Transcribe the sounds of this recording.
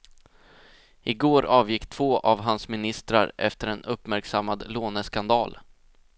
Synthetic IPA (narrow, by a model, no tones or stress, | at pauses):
ɪɡoːɾɑːvjɪkːt̪ʰv̥oːʔavɦansmɪnɪst̪ɾa̰ɾɛ̰ft̪əɾɛnɵpmæɾksamːad̪loːnəskand̪ɑːl